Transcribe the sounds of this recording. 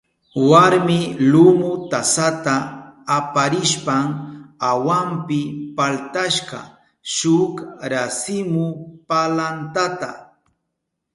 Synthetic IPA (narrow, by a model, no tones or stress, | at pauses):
waɾmɪlʊmʊt̪asat̪aː | paɾɪʃpamawampɪpalt̪aʃɢɑ̰ | ʃʊkɾasɪmʊpalant̪at̪a̰